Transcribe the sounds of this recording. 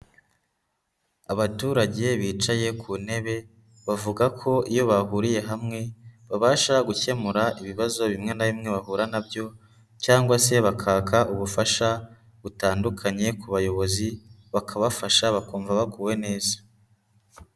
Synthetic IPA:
aβatuːɾaɟe̞βiːt͡ʃaje̞kʰune̞βe̞ | βavuɡakʰo̞ijo̞βahuɾije̞ɦamŋe̞βaβaːʃaɡuce̞muɾaʔiβiβazo̞βimŋe̞naβimŋe̞βahuːɾanabjo̞ | caːŋɡwase̞βakʰaːkaʔuβufaʃa | ɡutaːndukʰaɲe̞kuβajo̞βo̞zi | βakʰaβafaʃaβakuːɱvaβakuwe̞ne̞ːzḁ

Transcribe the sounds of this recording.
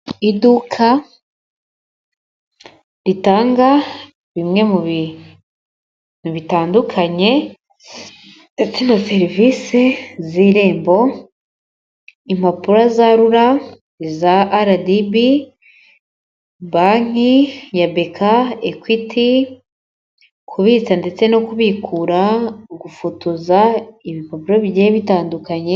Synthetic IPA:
idukʰa | ɾitaːŋɡa | βimŋe̞muβi | muβitaːndukʰaɲe̞ | et͡sinase̞ɾiviseziːɾe̞ːmbo̞ | imapuɾazaɾuɾa | zaʔːɾadibi | baŋ̥ijabe̞kʰaekwitʰi | kʰuβiːt͡sande̞t͡se̞no̞kuβiːkʰuɾaɡufutuzaiβipapuɾoβiɟeeβitaːndukaɲe̞

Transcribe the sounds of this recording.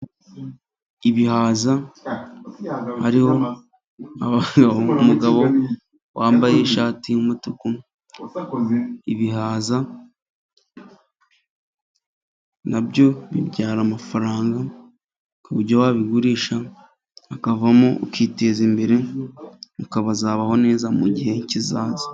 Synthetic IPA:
iβihaːza | haɾiho̞ | aβaɡoumuɡaβo̞ | wʔaːmbaje̞ʃaːtiumutoko | iβiɦaːza | nabɟo̞βiɾɟaːɾamafaɾaːŋɡa | kuβuɾɟowaːβiɡuɾiːʃaː | kavamoukiːte̞ːzimbe̞ɾe̞ | ukaβazaːβaho̞ne̞ːzamuɟihe̞cizaːzḁ

